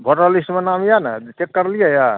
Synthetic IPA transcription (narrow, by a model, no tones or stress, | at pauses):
bʱɔʈalismenamjanat͡ʃekːəɾlijəja